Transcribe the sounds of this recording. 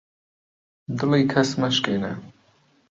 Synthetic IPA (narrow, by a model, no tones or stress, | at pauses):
d̪ɨliːkʰɐsmɐʃkeːnɛ̰